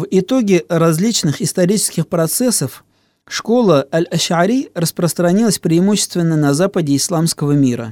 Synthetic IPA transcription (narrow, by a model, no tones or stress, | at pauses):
vɪt̪o̞ɡʲɪrɐzʲlʲit͡ɕnɨxɪst̪ɐɾʲit͡ɕɪ̥skʲɪxpɾɐt̪sɛsəf | ʂko̞lˠəɐlʲɐɕʕaɾʲirəspɾəst̪ɾɐnʲilˠəsʲpɾʲɪːmuɕːɪ̥st̪vʲɪnːənɐzapədʲɪɪslˠamskəvəmʲiɾə̰